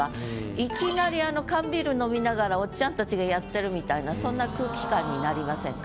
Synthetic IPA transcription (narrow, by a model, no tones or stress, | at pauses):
aikʲinaɾʲiano̞kãmbʲiɾɯ̟no̞mʲinaɡaɾao̞t͡ɕãnt̪at͡ɕiɡajat̪ːe̞ɾɯ̟mʲit̪ainasõ̞nːakɯ̟ːkʲi̥kãɲ̟ːinaɾʲimasẽ̞ŋk